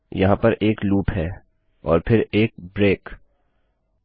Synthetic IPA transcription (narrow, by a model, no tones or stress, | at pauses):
jɐɦãpɐɾeːkluːpɦɛː | ɔ̰ːɾpʰɪɾeːk̚bɾeːk